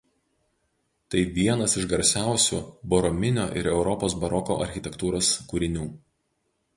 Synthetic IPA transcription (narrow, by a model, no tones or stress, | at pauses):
t̪ɐɪʋʲiɛnɐsɪʃɡɐɾʲsʲæˑʊsʲuːbɔɾɔmʲɪnʲoːʔɪ̰ɾɛʊɾɔpoːsbɐɾɔko̰ːʔɐ̰ɾʲxʲɪt̪ʲɛkt̪uːɾoːskuɾʲɪnʲuː